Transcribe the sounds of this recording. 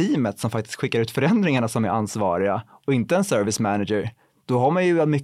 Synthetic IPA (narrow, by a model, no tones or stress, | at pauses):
iːmət̪sɔmfak̚t̪ɪ̥sk̪ɧɪkːaɾʉ̟ːt̪fœɾɛnd̪ɾɪŋaɳasɔmæ̰ɾʔansvɑ̰ːɾɪɡa | ɔɪnt̪əɛnsœɾvɪsmænad͡ʒəɾ | d̪̥ɔɦaɾmanjɵvɛlt̪mʏkː